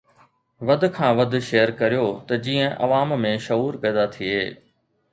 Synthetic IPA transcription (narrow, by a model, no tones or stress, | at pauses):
ʋɐd̪ʱkʰãːʋɐd̪̆ʱʃeːjəɾkɐɾijot̪ɐd͡ʑiːə̃ʔɐ̰ʋaːmmẽʃɐuːɾpɛːd̪at̪ʰieː